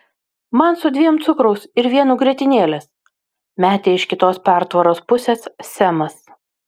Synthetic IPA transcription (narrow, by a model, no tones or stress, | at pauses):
mɐnsʊd̪ʲʋʲiɛmt̪sʊkɾɐʊsɪɾʋʲiɛnuːɡɾʲiɛt̪ʲɪnʲeːlʲeːs | mʲæːt̪ʲeːɪʃkʲɪt̪oːspʲæˑɾt̪ʋɐɾoːspʊsʲeːssʲæmɐs